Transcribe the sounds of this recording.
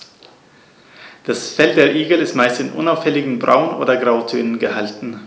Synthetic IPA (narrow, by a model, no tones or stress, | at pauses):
d̥asfɛldeːɐʔiːɡl̩ɪstmaɪstɪnʔʊ̰naʊfhɛlɪɡŋ̩bʁa̰ʊənʔo̰ːdɐɡʁaʊtʰøːnənɡəhaltn̩